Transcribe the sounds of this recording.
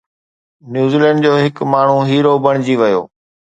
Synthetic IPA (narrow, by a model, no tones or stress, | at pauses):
njuːziːlɛ̃ːɳɖ̚d͡ʑoːɦɪkmaːɳ̤uɦiːɾobɐɽ̃d͡ʑiʋɐjo̰ː